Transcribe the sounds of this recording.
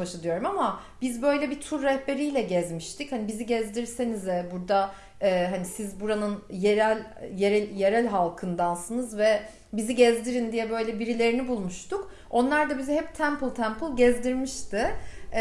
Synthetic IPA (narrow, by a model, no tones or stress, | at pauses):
baʃad̪ˠɯjo̞ɾumama | bizbø̞jlʲɛbit̪ʰuɾːɛhbe̞ɾijlʲɛɟɛzmiʃt̪ichanibiziɟɛzd̪iɾse̞nizɛbuɾd̪a | ɛːɦanisizbuɾanɯnjeɾælʲjeɾɛjeɾælʲɦalˠkʰɯnd̪ansɯnɯzvɛ | biziɟɛzd̪iɾind̪ijɛbø̞jlʲɛbiɾilʲe̞ɾinibulˠmuʃt̪ʰuk | o̞nlˠaɾd̪abizɛɦɛpt̪ʰæmpɯlˠt̪ʰæmpʰɯlˠɟɛzd̪iɾmiʃt̪ʰɪ